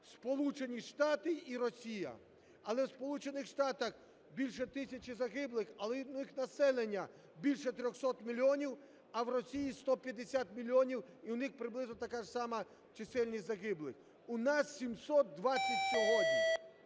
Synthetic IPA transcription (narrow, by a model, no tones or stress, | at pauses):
spɔlˠut͡ʃe̞nʲiʃt̪ɑt̪ɪiɾɔsʲijɐ̰ | ɐlˠɛwspɔlˠut͡ʃenɪxʃt̪ɑt̪ɐx | bʲilʲʃɛt̪ɪsʲɐt͡ʃɪzɐɦɪblˠɪxɐlˠɛnɪxnɐsɛlˠenʲːɐ | bʲilʲʃɛt̪ɾʲɔxsɔt̪mʲilʲiɔnʲiw | ɐwɾɔsʲijist̪ɔpʲjɐd̪esʲat̪mʲilʲːiɔnʲiwiwnɪxpɾɪblˠɪznɔt̪ɐkaʒsɑmɐ | t͡ʃɪsɛlʲnʲizɐɦɪblˠɪx | ʊnɑsːʲimsɔt̪̚d̪ʋatsʲɐtʲsɔɦɔdʲnʲi